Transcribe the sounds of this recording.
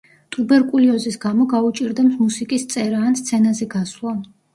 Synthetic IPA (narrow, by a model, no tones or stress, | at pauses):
t̪ʼubɛɾkʼuliɔzisɡamɔɡaut͡ʃʼiɾd̪ɛmsmusikʼist̪sʼɛɾaːnst̪sʰɛnazɛɡaslˠa